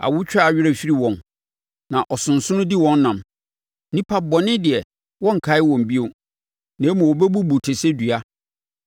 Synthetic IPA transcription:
a̰˨wʊ˦t͡ɕᶣa˦˨ɥɪ˦ɾɛ˦fi˦ɾi˦wɔ̃˨n | nã˨ʔɔ˨sʊ̃˨n̩˨sʊ̃˦nʊ̃˦di˦wɔ̃˨n˦nã˨m | nĩ˦pʰa˦bɔ˨nɪ̃˦dɪ˨ɛ˨ | wɔ̃˦ŋ̩˨kʰa˨˦ɪ˦wɔ̃˨m˨bi˦o˨ | nɛ̃˨˦mũ˨wɔ˨bɛ˦bu˦bu˨tʰe˨se˦dɥa˦

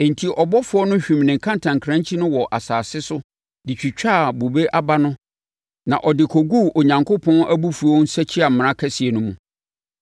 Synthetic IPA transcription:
ẽ˨ntʰi˨ʔɔ˨bɔ˦fʊ˨ɔ˦nʊ̃˦ɕᶣĩ˨mnɪ̃˨kʰã˦ntʰã˨ŋkʰɾã˦ɲt͡ɕʰi˦nʊ̃˦wɔ˨ʔa˨saː˨sɪ˦sʊ˦ | dɪ˨t͡ɕᶣi˨t͡ɕᶣa˦˨bo˨be˦ʔa˦ba˦nʊ̃˦ | nã̰˨ʔɔ˨dɪ˨kʰɔ˨ɡu˦o˨ɲã˨ŋkʰo˦pʰɔ̃˦nʔæ˦bu˦fu˨õ˨˦n˦sɛ˦t͡ɕʰi˦a˨m̃˨ã˦kʰɛ˦si˨e˨nʊ̃˦mũ˨

